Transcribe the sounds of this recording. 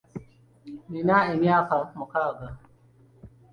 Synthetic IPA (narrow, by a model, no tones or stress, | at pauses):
minaimiakamukaɡa